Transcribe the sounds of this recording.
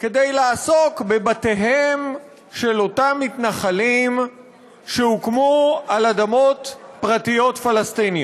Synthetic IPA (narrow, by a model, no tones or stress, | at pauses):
ke̞d̪ejlaːso̞kbebate̞ɦem | ʃe̞lo̞tamːitnaχalim | ʃehukmualad̪amo̞tpʁatijo̞tfalast̪ini